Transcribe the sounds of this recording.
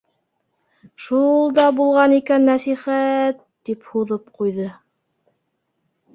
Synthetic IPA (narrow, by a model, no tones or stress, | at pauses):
ʃulˠd̪ɑbulˠʁɑnikænːæsiχæt̪ːiphuðɤp̚qujðɤ